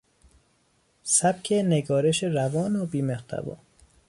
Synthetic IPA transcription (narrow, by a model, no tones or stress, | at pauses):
sæb̥̚kʲʰeneɡɒːɾeʃeɾævɒːnobiːmeht̪ʰæ̰bɒ̰ː